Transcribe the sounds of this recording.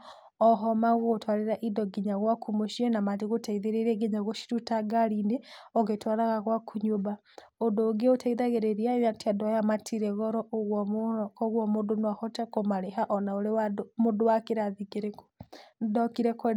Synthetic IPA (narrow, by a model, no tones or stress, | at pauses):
ɔɦɔmaɣoɣotwaɾeɾaʔidɔɡiɲaɣwakʰumoʃiɔnamatiɣotaiðeɾeɾiɛɡeɲaɣɔʃi̥tutaɡaɾindeɔɣetwaɾaɣaɣwakʰuɲoba | odoːɡeotaiðaɣeɾeɾiaatiadɔjamatʰiɾɛɣɔɾɔɣkɔɣwɔmodonahɔtakomaɾeɦaʔɔnaoɾewadmodowakeɾaðiɡeɾekdɔkiɾɛkɛ